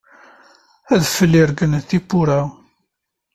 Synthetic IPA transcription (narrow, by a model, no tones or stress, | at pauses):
æðfəlːiɾɡənθipːʊɾa